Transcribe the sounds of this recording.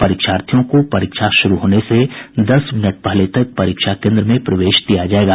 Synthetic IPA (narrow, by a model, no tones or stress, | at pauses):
pɐɾiːkʃaːɾt̪ʰijõkopɐɾiːkʃaʃʊɾuɦoːnesed̪ɐsmɪnəʈ̚pəɦlet̪ɐk̚pɐɾiːkʃakẽːnd̪ɾəmẽpɾɐʋeːʃt̪ijad͡ʒaːeːɡaː